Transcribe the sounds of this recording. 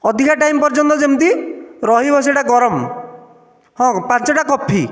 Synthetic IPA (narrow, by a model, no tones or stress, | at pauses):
ɔd̪ʱikaʈajmpɔɾd͡ʒɔnt̪ɔd͡ʒemt̪iɾɔɦibʱɔs̬eʈaɡɔɾɔm | hɔ̃pãnt͡ʃɔʈakɔpʰːi